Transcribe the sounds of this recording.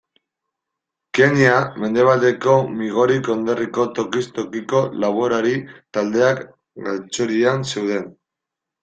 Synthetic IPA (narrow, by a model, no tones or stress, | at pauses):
ke̞ɲiame̞nd̪e̞βald̪e̞ko̞miɣ̞o̞ɾiko̞nd̪eriko̞t̪o̞kist̪o̞kiko̞laβ̞oɾaɾit̪ald̪e̞ak | ɡalt͡soɾianse̞wð̞e̞n